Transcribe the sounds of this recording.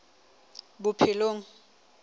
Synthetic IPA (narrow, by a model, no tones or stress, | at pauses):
bʊpʰɪloːŋ̩